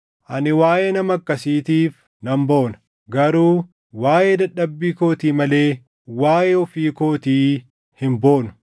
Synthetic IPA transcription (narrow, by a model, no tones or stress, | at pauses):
ʔɐnɪwaːjeːnɐmɐkːɐsiːt̪iːf | nɐmboːnɐ̥ | ɡɐɾuː | waːjeːd̪ɐᶑːɐbːiːko̞ːt̪iːmɐle̞ː | waːjeɔfiːko̞ːt̪iː | hɪmbo̞ːnʊ̥